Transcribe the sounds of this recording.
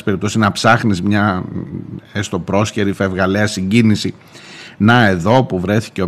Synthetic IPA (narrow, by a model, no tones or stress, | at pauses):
spe̞ɾip̚t̪osiznɐpsɐxnizmɲɐ | est̪o̞pɾo̞sçeɾife̞vɣɐleɐsiɲɟinisi | nɐe̞ðo̞puvɾe̞θi̥ce